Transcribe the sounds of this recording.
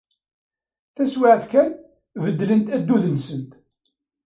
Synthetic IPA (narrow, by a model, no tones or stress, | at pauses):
θæswɪʕθkæn | vəd̪ːlənt̪æd̪ːuðənsənt̪